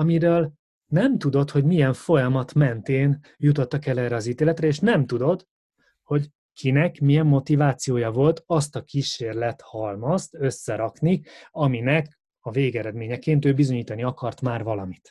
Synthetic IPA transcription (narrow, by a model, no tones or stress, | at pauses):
ɒmiɾøːl | nɛmt̪ud̪o̞t̪ho̞ɟmijɛɱfo̞jɒmɒt̪mɛnt̪eːn | jut̪o̞t̪ːɒkɛlɛːrɛɒziːt̪eːlɛt̪rɛeːʃnɛmt̪ud̪o̞t̪ | ho̞ɟ | kʰinɛkmijɛmːo̞t̪ivaːt̪sijoːjɒvo̞lt̪ɒst̪ɒkiːʃeːrlɛt̪hɒlmɒst̪ø̞sːɛɾɒkniɒminɛk | ɒveːɡɛɾɛd̪meːɲɛkeːnt̪øːbizo̞ɲiːt̪ɒniɒkɒrt̪maːrvɒlɒmit̪